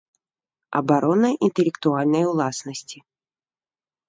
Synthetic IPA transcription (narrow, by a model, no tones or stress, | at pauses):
ɐ̰baɾɔnɐʔint̪ɛlʲɛkt̪ualʲnɐjwlˠasnɐsʲt͡sʲi